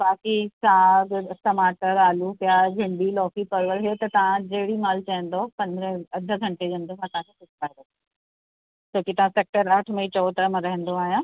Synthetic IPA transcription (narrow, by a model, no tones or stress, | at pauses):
baːkisaːɡʈɐmaːʈəɾaːlupjabʱɪɳɖilɔːfipəɾʋəɾɦet̪ɐt̪ɐʋ̤ãd͡ʑeːɽimaːlt͡ɕaɦə̃nd̪opɐ̃nd̪ɾẽɐd̪ʱəɡʱɐ̃ɳʈed͡ʑɐənd̪osãt̪ɐãkʰesʊsʰlaːɾd̪o | t͡ɕoːkit̪ɐʋãseːk̚ʈəɾɐʈʰmɐit͡ɕɔʋt̪ɾəmãɾɐɦə̃nd̪oaːɦijãː